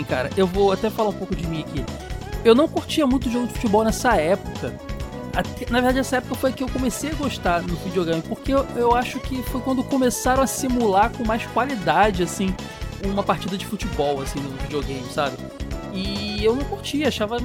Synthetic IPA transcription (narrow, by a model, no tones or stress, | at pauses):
ka̰ɾɐ̰ʔewvoat̪ɛfalaũpowkʊd͡ʒɪmĩaki | ewnɐ̃w̃kuɾt͡ʃiɐmũt̪ʊd̪ʊʒoɡʊd͡ʒɪfu̥t͡ʃibɔwnɛsɐɛpʊkɐ | at̪ɛɛnɐveɾd̪ad͡ʒɪɛsɐɛpʊkɐfojɐkɪewkõmesejɐɡoʃt̪anʊvid͡ʒioɡẽjmɪpoχkeewaʃʊkɪfojkwɐ̃nd̪ʊkõmesaɾɐ̃w̃asimulakõmajskwalid̪ad͡ʒɪasĩ | ũmɐpaχt͡ʃid̪ɐd͡ʒɪfut͡ʃɪbɔwasĩnʊvid͡ʒioɡẽj̃mɪsabɪ | ɪewnɐ̃w̃kuɾt͡ʃiɐaʃavɐ